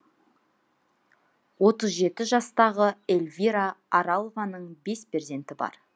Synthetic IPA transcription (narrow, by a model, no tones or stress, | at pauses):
wo̞t̪əzʒe̞t̪ɪʒɑst̪ɑʁəelʲvʲiɾaɑɾɑlˠvɑnəɴbe̞speɾze̞nt̪ɪbɑ̰ɾ